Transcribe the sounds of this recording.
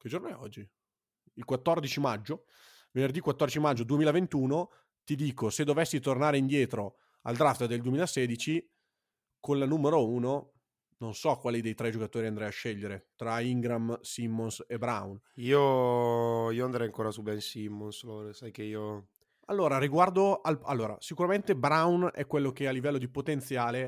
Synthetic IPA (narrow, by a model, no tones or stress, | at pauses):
k̟ed͡ʒornoɛɔd͡ʒːi | ilkwat̪ːɔrd̪it͡ʃimad͡ʒːo | venerd̪ikwat̪ːɔrd̪it͡ʃimad͡ʒːod̪uemiːlavent̪uːno | t̪id̪iːkosed̪ovesːit̪ornaːɾeind̪jɛːt̪ɾo | a̰ld̪ɾaft̪d̪eld̪uemiːlaseːd̪it͡ʃi | konlanuːmeɾouːno | nonsɔkːwaːlid̪ejt̪ɾɛd͡ʒokat̪oːɾiand̪ɾɛjaʃːeʎːeɾet̪ɾaiŋɡɾamsimːonsebɾa̰wniːo | iːoand̪ɾɛjaŋkoːɾasubainsimːonsloɾsajkeiːo | alːoːɾaɾiɡward̪oalalːoːɾa̰sikuɾament̪ebɾawnɛkːwelːok̟ealːivɛlːod̪ipot̪ent̪sjaːle